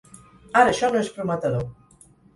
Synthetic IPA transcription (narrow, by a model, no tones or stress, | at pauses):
aɾəːʃɔnõespɾumət̪aðo